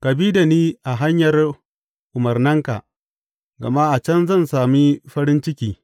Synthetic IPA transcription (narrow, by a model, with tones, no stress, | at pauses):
kɐ˨biː˦da˨niː˦ʔa˨ɦa˦ɲjɐ˨r | ʔʊ˨mɐ˨rnɐ˦ŋka̰˨ʔ | ɡɐ̰˨ma˦ʔa˨t͡ʃɐ˦nzɐ˦˨nsaː˨mi˦ɸɐ˦ɾɪ˦nt͡ʃɪ˦kʲiː˨